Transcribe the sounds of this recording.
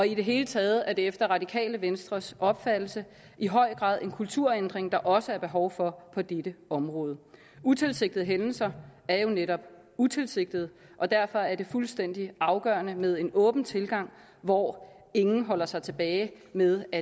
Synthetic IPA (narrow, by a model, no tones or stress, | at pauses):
ɒ̽id̥e̝ɦe̝ːlət͡sʰɛːð̞̩ˠæɐd̥e̝efd̥ɐʁɑ̈d̥ikʰɛ̰ːləʋensd̥ʁɐsɒ̽b̥fæd̥l̩sə | ʔiɦɒ̽ɪ̰ɡ̥ʁɑ̰̈ːðˠe̝nkʰult͡sʰuɐ̰end̥ʁeŋd̥ɑ̈ʔɒ̽səæɐb̥e̝ɦɒʊfɒ̽pʰɒ̽d̥ed̥əɒ̽mʁɔ̽ːð̞ˠə | ut͡sʰe̝lse̝ɡ̥̚d̥ð̩ˠɦenn̩sɐæɐjo̝neɾɒ̽b̥ | ut͡sʰe̝lse̝ɡ̥̚d̥ð̞̩ˠ | ʔɒ̽d̥æɐ̰fɒ̽æɐde̝fulsd̥en̰d̥iɑ̈ʊɡ̥ɶːɐnəmeð̞ˠe̝nɔ̽ːb̥n̩t͡sʰe̝lɡ̥ɑ̈ŋ̰ | ʋɒ | e̝ŋn̩ɦɒ̽l̰ɐsɑ̈ɪt͡sʰe̝b̥ɛːɪ | meðˠæ